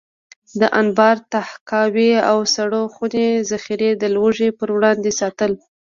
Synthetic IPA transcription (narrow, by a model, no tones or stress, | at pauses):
d̪əʔanbɑɾt̪ahkɑweawsaɽoxunezaxiɾed̪əlwoʐepəɾwɽɑnd̪esɑt̪əl